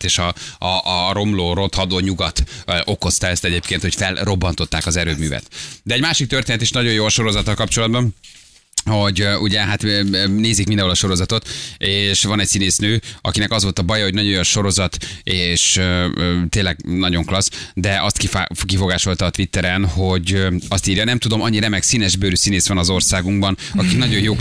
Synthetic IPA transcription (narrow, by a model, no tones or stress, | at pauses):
eːʃɒɒʔɾo̞mloːɾo̞t̪hɒd̪oːɲuɡɒt̪ʔo̞ko̞st̪ɒɛst̪ɛɟeːpkeːnt̪ho̞cfɛlro̞bːɒnt̪o̞t̪ːaːkɒzɛɾøːbmyːvɛ̰t̪d̪ɛɟmaːʃik̚t̪ørt̪eːnɛt̪eːʃnɒɟo̞joːɒʃo̞ɾo̞zɒt̪ːɒlkɒpt͡ʃo̞lɒd̪bɒn | ho̞ɟʔuɟɛɦat̪ːneːzikmind̪ɛ̃ɦolɒʃo̞ɾo̞zɒt̪o̞t̪eːʃʋɒnɛcsineːsnøːɒ̰kinɛkɒzʋo̞lt̪ɒbɒjɒɦo̞ɟnɒɟo̞joʃo̞ɾo̞zɒt̪eːʃøt̪eːnlɛɡnɒɟo̞ŋklɒsd̪ɛʔɒst̪kifkifo̞ɡaːʃo̞lt̪ɒːt̪ʋit̪ːɛɾɛnho̞ɟɒst̪iːɾjɒnɛmt̪ud̪o̞mɒɲːiɾɛmɛksiːnɛʒbøːɾysineːsʋɒnɒzo̞rsaːɡuŋɡbɒn | ɒkinɒɟo̞jjoː